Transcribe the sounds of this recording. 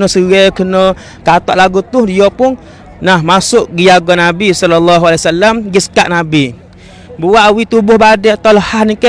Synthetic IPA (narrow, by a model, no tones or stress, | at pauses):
nəsəɣɛkənə | kat̪ɔ̰ʔlaɡut̪ʊhdiɔpʊn | nahmasʊʔɡijaɡɔnabisɔlɔlːaɦualasalːamɡisə̥kaʔnabi | buwaʔwit̪ubʊhbadɛʔat̪aləhahnikə